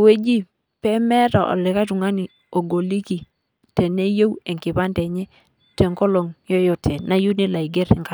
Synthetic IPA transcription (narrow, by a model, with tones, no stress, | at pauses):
we˦d͡ʒi˦ | pɛ˦mɛ˦ta˨ʔɔ̰˨lɛ˨ka˦tu˨ŋa˦ni˨ | o˨ɡo˨li˦ki˨ | tɛ˨ne˦jo˦wɛ˨ŋkɪ˨pa˦ntɛ˨ɲɛ˦ | tɛ˨ŋko˦lo˨ŋjo˦jɔ˨tʰɛ˨na˦ju˦ni˦la˨i˨ɡɛ˦ɾɛ˨ŋka˨